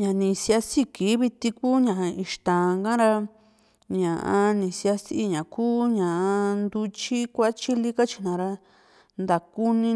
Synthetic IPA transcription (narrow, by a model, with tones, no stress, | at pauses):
ɲã˨nĩ˨si˧a˧si˦ki˨˦βi˧t̪i˧kuː˦ɲã˨˧i˧ʃt̪ã˨˧ŋkã˦ɾa˧ | ɲã˨ʔã˧nĩ˨si˧a˧si˦ʔi˧ɲã˨kuː˦ɲã˨ʔa˧nd̪u˧t͡ʃi˦kʷa˦t͡ʃi˦li˦ka˦t͡ʃi̥˧nã˨˧ɾa˧ | nd̪a˨ku˦nĩ˧